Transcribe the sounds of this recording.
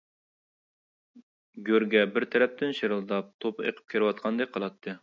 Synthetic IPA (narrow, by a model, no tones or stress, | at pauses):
ɡʲøɾɡʲɛbɪɾt̪ʰɛɾɛp̚t̪ʰɪnʃeɾɨlˠd̪ɑp̚t̪ʰopʰɨeqʰə̥p̚kʲʰeɾɪwɑt̪̚qʰɑnd̪ɛk̚ʲqʰəlˠɑt̪ʰːɨ